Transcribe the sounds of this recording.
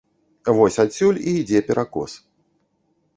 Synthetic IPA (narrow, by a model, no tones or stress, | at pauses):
vɔsʲasʲulʲiːd͡zʲɛpʲɛɾʔakɔ̰s